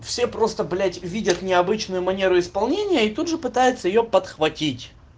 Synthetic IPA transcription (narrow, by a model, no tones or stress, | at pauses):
fsʲe̞pɾo̞st̪əblʲætʲvʲidʲət̪nʲɪɐbɨt͡ɕnʊjʊmɐnʲe̞ɾʊɪspɐlˠnʲenʲɪjəit̪ud̪ʐɨpɨt̪ajʊt̪səjɪjopət̪xvɐtʲitʲ